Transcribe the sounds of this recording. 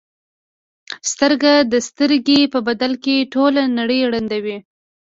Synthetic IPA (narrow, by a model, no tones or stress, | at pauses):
st̪əɾɡad̪əst̪əɾɡepəbad̪alkeʈolanaɽəjɽand̪awi